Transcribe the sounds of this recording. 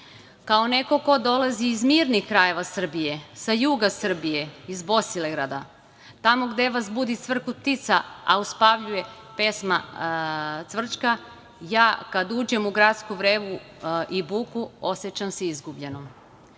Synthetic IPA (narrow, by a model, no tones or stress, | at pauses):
kaone̞ko̞ko̞d̪o̞laziːzmiːɾnixkɾajeʋasr̩bije̞sajuːɡasr̩bije̞izbo̞sileɡɾad̪a | t̪amo̞ɡd̪e̞ʋazbud̪it̪sʋr̩kut̪it̪saa̰uspaʋʎuje̞ | pe̞sma̰ | t̪sʋr̩t͡ʃka | jaːkad̪uːd͡ʑe̞muɡɾat̪skuʋɾeːʋu | ʔibuːkuosjet͡ɕamseizɡubʎe̞no